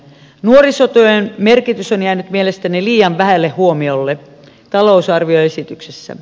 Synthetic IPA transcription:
nuorisot̪øjenmerkit̪ysonjæːnyt̪mielest̪æniliːjɑʋʋæhælːehhuomiolːe | t̪ɑlousɑrʋioesit̪yksesːæ̰

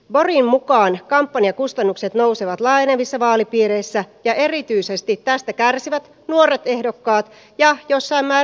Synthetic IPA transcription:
ʋorimmukɑːnkɑmpːɑniɑkust̪ɑnːukse̞t̪no̞wseʋɑt̪lɑjneʋisːɑʋɑːlipiːɾeisːæjɑʔe̞rit̪yisest̪it̪tæst̪ækærsiʋæt̪ | nuoɾet̪ehdo̞kːɑːt̪ | jɑjosːɑimːmæː

